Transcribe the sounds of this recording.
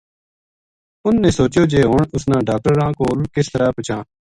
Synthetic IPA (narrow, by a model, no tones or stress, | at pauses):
ʊnːẽːsoːt͡ʃoːd͡ʒeːɦoːɳʊsnãːɖaːk̚ʈəɾãːkoːlkɪst̪əɾaːpət͡ʃãː